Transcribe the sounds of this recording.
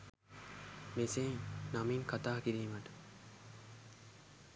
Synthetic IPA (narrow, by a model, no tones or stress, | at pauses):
meseŋnamiŋkat̪aːkiɾiːmaʈə̥